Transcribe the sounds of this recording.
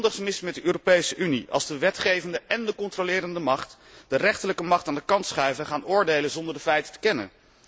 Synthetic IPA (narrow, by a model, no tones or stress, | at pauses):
ndəχsmɪsmɛt̚dəʔøːropejsəʔyniʔɑ̰lˠzdəʋɛtχejvəndəʔɛndəkɔntrolɪːɾəndəmɑχt | d̥ərɛχtələkəmɑχtaːndəkɑntsχœɥvəχaːnʊːɹdejləzɔndəɹdəfɛjtə̥tə̥kɛnə̰n